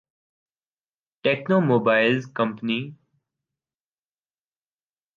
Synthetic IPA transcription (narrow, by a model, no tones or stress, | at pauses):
ʈeːknoːmoːbaːɪlzkə̃mpni